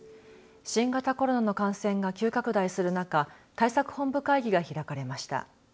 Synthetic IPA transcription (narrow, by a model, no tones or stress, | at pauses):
ɕĩŋɡat̪ako̞ɾo̞nano̞kãɰ̃sẽ̞ŋɡakʲɨːkakɯ̟d̪aisɨɾɯ̟nakat̪aisakɯ̟̥hõ̞mbɯ̟kaiɡʲiɡaçiɾakaɾe̞maɕi̥t̪a̰